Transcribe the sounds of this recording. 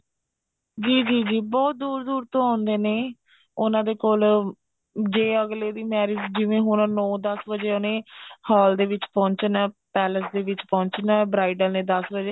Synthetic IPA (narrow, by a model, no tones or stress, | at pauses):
d͡ʒiːd͡ʒiːd͡ʒiːbɔːt̪̚d̪uːɾd̪uːɾt̪õːãːnd̪eːneː | ʊnãːd̪eːkoːl | d͡ʒeːəɡleːd̪iːmɛːɾɪd͡ʒd͡ʒɪʋẽːɦoːnãːnɔ̃ːd̪əsbəd͡ʒeːoːnẽːhɔːld̪eːʋɪt͡ʃpɔ̃ːɲt͡ʃnaːpɛːləsd̪eːʋɪt͡ʃpɔ̃ːɲt͡ʃnaːbɾaːɪɖəlnẽːd̪əsbəd͡ʒeː